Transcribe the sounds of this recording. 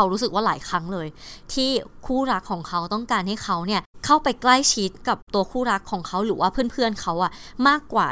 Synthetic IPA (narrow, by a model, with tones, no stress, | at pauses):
a˦˥wɾuː˦˥s̬ɯ˨˩k̚waː˥˩laː˩˦jkʰɾa˦˥ŋlɤː˧jt̪ʰiː˥˩kʰuː˥˩ɾa˦˥kʰːɔː˩˦ŋkʰa˦˥wt̪ɔ˥˩ŋkaː˧nha˥˩jkʰa˦˥wni˥˩əkʰa˥˩wpa˧jkla˥˩jt͡ɕʰi˦˥t̪̚ka˨˩p̚t̪u˧ɐkʰuː˥˩ɾa˦˥kʰːɔː˩˦ŋkʰa˦˥wɾɯː˩˦waː˥˩pʰɯː˥˩npʰɯ˥˩ənkʰa˦˥wʔa˨˩ʔmaː˥˩kːwa̰ː˨˩